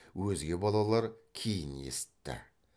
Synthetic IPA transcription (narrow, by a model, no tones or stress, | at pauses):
wɵzɡʲe̞bɑlˠɑlˠɑɾkʲʰejɪne̞̰sɪ̥t̪ːɪ̰